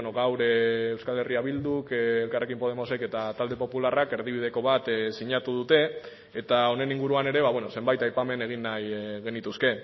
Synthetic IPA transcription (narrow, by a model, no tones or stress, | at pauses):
noɣawɾeːwskale̞riaβ̞ild̪ukelkare̞kimpo̞ð̞e̞mo̞se̞ke̞t̪at̪ald̪e̞po̞pularake̞ɾð̞iβ̞ið̞e̞ko̞β̞at̪siɲat̪uð̞ut̪e̞ | et̪ao̞ne̞niŋɡuɾuane̞ɾe̞βaβwe̞no̞se̞mbajt̪ajpame̞ne̞ɣ̞inːajɣe̞nit̪uske̞